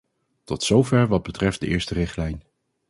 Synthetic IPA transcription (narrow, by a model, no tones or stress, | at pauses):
tɔtsowvɛɹʋɑd̚bətrɛft̚dəʔɪːɹstərɪχtlɛjn